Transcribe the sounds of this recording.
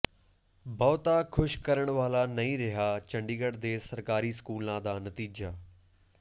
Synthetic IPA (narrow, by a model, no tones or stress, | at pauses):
bɔːt̪aːkʰʊʃkəɾəɳʋaːlaːnəĩːɾɪɦaːt͡ʃəɳɖiːɡəɽd̪eːsəɾkaːɾiːsə̥kuːlãːd̪aːnət̪iːd͡ʒaː